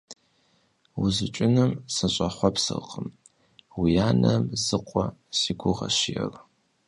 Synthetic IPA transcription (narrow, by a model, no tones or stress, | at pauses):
wuzɨt͡ʃʷʼɪnɨmsɐɕʷʼɐχʷɔpsɨ̰qʼəm | wijaːnɐmzɨqʷʼɔsiɡʷʊʁɐ̰ʃɪjɛr